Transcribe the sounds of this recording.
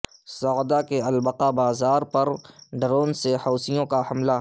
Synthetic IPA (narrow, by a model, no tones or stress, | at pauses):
sɔd̪akeɐlbəqabaːzaːɾpɐɾɖɾoːnsehɔːsijõkahɐmla